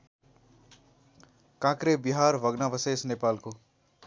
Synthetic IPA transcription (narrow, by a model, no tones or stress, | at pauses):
kãkɾebiɦaɾʋʱʌɡnabʌsesnepalko